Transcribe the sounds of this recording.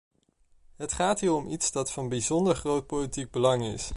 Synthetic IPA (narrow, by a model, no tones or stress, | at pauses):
ɦətχaːtɦiːɹɔmʔitsdɑtfɑnbizɔndəɹχrowt̚politiɡ̚bəlɑŋɪ̰s